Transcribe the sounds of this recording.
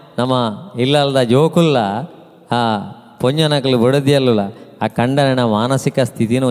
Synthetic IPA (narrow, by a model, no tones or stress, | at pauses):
nɐmːɐilːɐld̪ɐd͡ʒoːkulːɐ | poɲd͡ʒɐnɐkɐlubɔɽɐd̪ijɐlːulɐaːkɐɳɖɐɾɐnɐmaːnɐsikɐst̪ʰit̪inu